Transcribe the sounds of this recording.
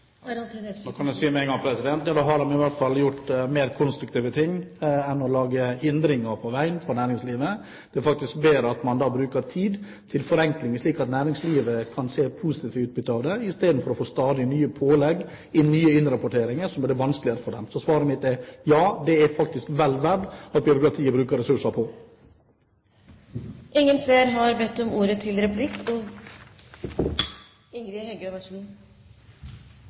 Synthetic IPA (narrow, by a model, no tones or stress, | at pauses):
noːkʰɑnæsiːmɛɛŋɡɑŋpʰɾɛsɪd̪ɛnt̪jɑːd̪ɑːɦɑɾdɑmɪʋæt̪fɑlːjʊʈːmeːɾkʰɔnst̪ɾʉk̚t̪ʰiːʋət̪ʰɪŋːɛnːɔlɑːɡəhɪnd̪ɾɪŋəɾpʰɔʋæɪənfɾɔnæːɾɪŋsliːʋə | d̪̥ɛfɑk̚t̪ɪsk̚beːɾəɑt̪mɑnd̪ɑːbɾʉːkəɾt̪ʰiːd̪ | t̪ʰɪlfɔɾɛŋklɪŋəʂɭiːkɑt̪næːɾɪŋsliːʋəkʰɑnseːpʰuːsɪt̪iːʋəʉːt̪̚bʏt̪ːəɑʋd̪ɛɪst̪eːd̪n̩fɔɾɔfoːst̪ɑːd̪ɪnyːəpʰoːlɛɡ | ɪnyːəɪnɾɑpʊʈʰeːɾɪŋəɾsɔmɛd̪ɛʋɑnsklɪəɾəfɔɖɛmsɔsʋɑːɾəmɪt̪̚ɛjɑːd̪ɛæɾfɑkt̪ɪskʋɛlʋæɖɑt̪̚bjʏɾʊkɾɑt̪ʰiːəbɾʉːkəɾɛsʉʂəpʰɔ | ʔɪŋːənseːɾɦɑɾbɛt̪ːɔmuːɾət̪ʰɪlɾɛpʰlɪkːɔ | ɪŋɡɾɪhɛɡøʋɑʂu